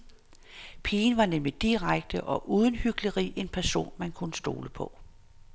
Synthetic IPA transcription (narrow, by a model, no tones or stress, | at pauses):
pʰiːnʋɑ̈nemlid̥iʁaɡ̥̚d̥əʔɒ̽ʔuːð̞ˠən̩hyɡ̥ləʁḭːʔe̝npʰæɐso̝̰ːnmænkʰunəsd̥o̝̰ːləpʰɒ̽